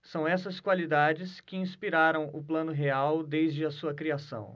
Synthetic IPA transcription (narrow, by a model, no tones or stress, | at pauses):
sɐ̃w̃ɛsɐskwalid̪ad͡ʒɪskɪĩspiɾaɾɐ̃w̃ʊplɐ̃nʊɦeawd̪ejzd͡ʒɪɐsuɐkɾiasɐ̰̃w̃